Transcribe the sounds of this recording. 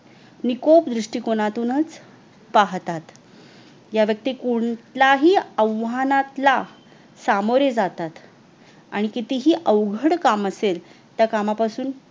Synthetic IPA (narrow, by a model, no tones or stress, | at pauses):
nikopd̪ɾiʂʈiːkoɽ̃at̪unət͡s | paɦt̪at̪ | jaʋjək̚t̪iːkoɳt̪laɦiːəʋanat̪la | samoɾjed͡zat̪at̪ | a̰ɽ̃ikit̪iɦiːʔəʋɡʱəɽkaməsel | t̪jakamapasuːn